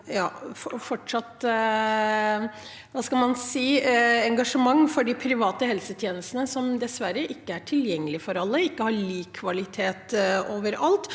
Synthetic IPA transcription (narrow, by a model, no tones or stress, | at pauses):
jɑːfɔfɔʈʂɑt̪ | ʋɑːskɑlmɑnsiːɛŋɡɑʂəmɑŋːfɔɖipʰɾɪʋɑːt̪əhɛlsət̪ʰjeːnəst̪ənəsɔmd̪ɛsʋæɾəʔɪkːəæʈʰɪljɛŋːəlɪfɔɾɑlːəɪkːəhɑɭiːkʰːʋɑlɪt̪ʰeːt̪oːʋəɾɑlt̪